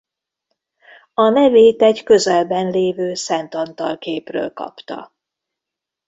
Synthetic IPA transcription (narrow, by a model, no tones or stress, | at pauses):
ɒnɛveːt̪ɛcɟkø̞zɛlbɛnleːvøːsɛnt̪ɒnt̪ɒlkeːprø̰ːlkɒ̰pt̪ɒ̰